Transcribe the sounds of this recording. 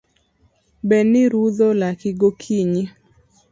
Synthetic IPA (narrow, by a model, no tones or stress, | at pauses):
bɛnɪɾuðolakɪɡokʰiɲi